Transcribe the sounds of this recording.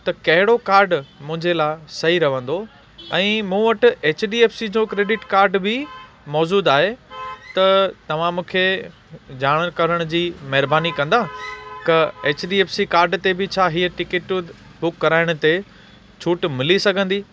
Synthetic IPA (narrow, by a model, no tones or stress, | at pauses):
t̪ɐkɐɦɪɽokaːɾɖmʊ̃ɦɪ̃ɲd͡ʑelaːɪsɐɦiɾɐʋə̃nd̪o | ɛ̃ːmũːʋɐʈʊ̆eːt͡ɕɖiːeːfsid͡ʑõkɾeːɖɪʈkaːɾɖbɪ | mɔːd͡ʑuːd̪aːɦet̪ɐt̪ɐʋ̤ãmũːkʰe | d͡ʑaːɽ̃əkɐɾəɽ̃ʊd͡ʑiːmɐɦɪɾbaːnikɐ̃nd̪aːk̪ɐeːt͡ɕɖiːeːfsikaːɾɖt̪ebɪt͡ɕʰaːɦiːəʈɪkɪʈ | bʊkːɐɾaːɪɽ̃t̪e | t͡ɕʰuːʈmɪlisɐɡʱə̃nd̪iː